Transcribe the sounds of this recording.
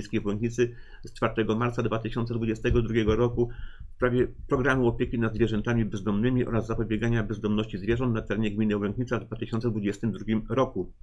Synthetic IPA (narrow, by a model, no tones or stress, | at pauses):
skʲejvwɛŋkɲit̪sɘ | st͡ʂfaɾt̪ɛɡɔmaɾt̪sad̪vat̪ɘɕɔnt̪ɛd̪vud͡ʑɛst̪ɛɡɔd̪ɾuɡʲɛɡɔɾɔkuspɾavʲjɛpɾɔɡɾamuɔpʲjɛkʲinad̪zvʲjɛʐɛnt̪amʲibɛzd̪ɔmnɘmʲiʔɔ̰ɾazːapɔbʲjɛɡaɲabɛzd̪ɔmnɔɕt͡ɕizvʲjɛʐɔnt̪nat̪ɛɾɛɲɛɡmʲinɘvwɛŋkɲit̪savd̪vat̪ɘɕɔnt̪sɛd̪vud͡ʑɛst̪ɘmd̪ɾuɡʲimɾɔku